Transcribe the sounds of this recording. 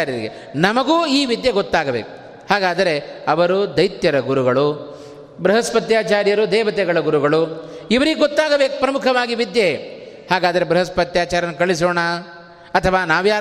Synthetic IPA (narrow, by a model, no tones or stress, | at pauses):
aɾjɐɾiɡḛ | nɐmɐɡuːiːʋid̪jɐɡot̪ːaːɡɐbeːku̥ | haːɡaːd̪ɐɾe̞ɐʋɐɾud̪ɐjt̪jɐɾɐɡuɾuɡɐɭu | bɾɐɦɐspɐt̪jaːt͡ʃaːɾjɐɾud̪ɛːʋɐt̪ɛɡɐɭɐɡuɾuɡɐɭuiʋɐɾiɡeɡot̪ːaːɡɐbeːku̥pɾɐmukʰɐʋaːɡiʋid̪jehaːɡaːd̪ɐɾebɾɐɦɐspɐt̪jaːt͡ʃaːɾɐnːukɐɭis̬ɔːɳa | ɐt̪ʰɐʋaːnaːʋjaː